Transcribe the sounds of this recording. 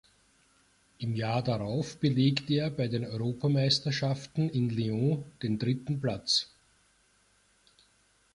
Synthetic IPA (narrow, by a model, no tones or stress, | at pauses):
ʔɪmjaːdaʁaʊfb̥əleːkteːɐbaɪdeːnɔʏʁoːpamaɪstɐʃaftn̩ɪnleɔ̃d̥eːndʁɪtn̩plat͡s